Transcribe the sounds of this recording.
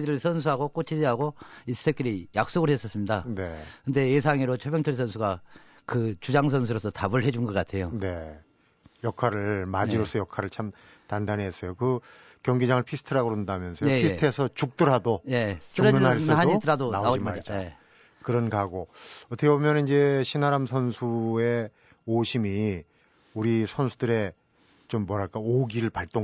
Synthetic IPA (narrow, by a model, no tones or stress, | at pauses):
d͡ʑiɾɯɭsʰʌns̬ʰuɦaɡok͈ot͡ɕʰid͡ʑiɦaɡois͈ɯ̥s͈ʰek͈iɾijak̚s͈oɡɯɭhes͈ʌs͈ɯmɲidanekɯnde̞jes̬ʰaŋiɾot͡ɕʰʌbjʌŋt͡ɕʰʌɭsʰʌnsʰuɡa | kɯt͡ɕud͡ʑaŋs̬ʰʌnsʰuɾosʰʌtabɯɭɦe̞d͡ʑunɡʌk͈atʰe̞jone̞ | jʌkʰaɾɯɭmad͡ʑiɾos͈ʰʌjʌkʰaɾɯɭt͡ɕʰam | tandanɦes͈ʌjokɯ | kjʌŋɡid͡ʑaŋɯɭpʰisʰtʰɯɾaɡoɾondamjʌnsʰʌjoistʰesʰʌt͡ɕuk̚t͈ɯɾɦadojet͡ɕɾonɦass͈ʌaɲoitɯɾadonaoad͡ʑimaad͡ʑa | kɯɾʌnɡaɡoʌtʰʌkʰebomjʌnnind͡ʑe̞ɕʰinaɾamsʰʌnsʰue̞ | oɕʰimi | uɾisʰʌnsʰudɯɾe̞ | t͡ɕomːwʌɾɦaɭk͈aoɡiɾɯɭpaɭt͈o